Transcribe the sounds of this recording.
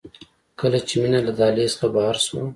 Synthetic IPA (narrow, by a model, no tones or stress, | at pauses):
kəlat͡ʃeminalad̪ɑlesə̥xabahaɾso